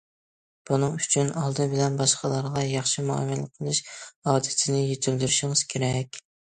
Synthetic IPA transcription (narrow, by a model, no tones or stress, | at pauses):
b̥unɨŋyt͡ʃʰynɑlˠd̪ɨbɪlɛnbɑʃqʰɑlˠɑɾʁɑjɑχʃimuɑ̰mɛləqʰːəlˠɨʃɑːd̪ɪt̪ʰɪnɪjet̪ʰyld̪yɾyʃɪŋɨz̥kʲʰeɾɛkʲ